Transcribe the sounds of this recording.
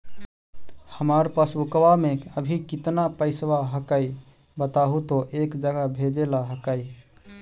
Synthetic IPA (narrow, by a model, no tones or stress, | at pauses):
həmaɾpasukwameəbʱikit̪napəɪsbaɦəkəi | bət̪aɦut̪oʔekd͡ʒəɡabʱed͡ʒelaɦəkəi